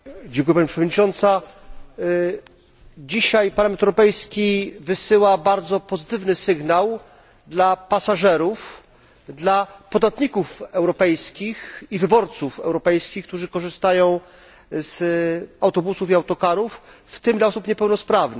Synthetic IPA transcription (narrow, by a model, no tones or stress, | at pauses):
d͡ʑɛ̃ŋkujɛpaɲipʂɛvɔd̪ɲit͡ʂɔnt̪sa | d͡ʑiɕajpaɾlamɛnt̪ɛwɾɔpɛjskʲivɘsɘwabaɾd̪zɔpɔzɘt̪ɘvnɘsɘɡnaw | d̪lapasaʐɛɾuf | d̪lapɔd̪at̪ɲikufɛwɾɔpɛjskʲixivɘbɔɾt̪sufɛ̰wɾɔpɛjskʲixk̚t̪uʐɘkɔʐɘst̪ajɔ̃w̃ | z̥awt̪ɔbusufiawt̪ɔkaɾuf | ft̪ɘmaɔsupɲɛpɛwnɔspɾavn